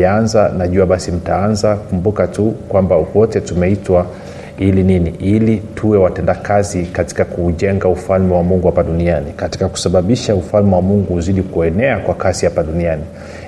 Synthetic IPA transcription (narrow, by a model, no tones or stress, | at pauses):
anzanaʄuaɓasim̩taanzakumbukatukwambawɔtɛtumɛitwa | ilininiʔilitʰuwɛwatɛndakazikati̥kakuːʄɛŋɡaufalmɛwamuŋɡuhapaɗunianikati̥kaku̥saɓaɓiʃaufalmɛwamuŋɡuuziɗikuɛnɛakwakasihapaɗuniani